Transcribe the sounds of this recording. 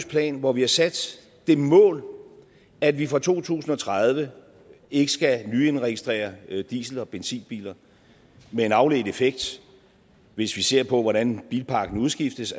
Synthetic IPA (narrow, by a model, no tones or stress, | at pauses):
spʰlɛ̰ːnʋɒʋihɑ̈sæd̥ | d̥e̝mɔ̰̽ːl | æd̥ʋifʁɑ̈t͡sʰo̝̰ːt͡sʰṵːsn̩ɒ̽t͡sʰʁað̞ˠʋə | e̝ɡ̥əsɡ̥ænyenʁɛɡ̥isd̥ʁɛ̰ːɐd̥ḭːsl̩ɒ̽b̥ensḭːnb̥ḭːlɐ | mee̝nɑ̈ʊle̝ɡd̩ˠefeɡ̥̚d̥ | ʋe̝sʋise̝ɐ̰pʰɒ̽ʋɒɾænb̥iːlpʰɑ̈ɡ̥n̩uðˠsɡ̥ifd̥əs